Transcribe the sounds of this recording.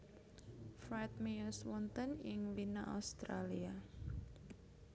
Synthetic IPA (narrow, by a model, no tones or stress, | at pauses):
fɾat̪̚miɔswɔnt̪ənjɪŋwina̰ʔa̰st̪ɾalia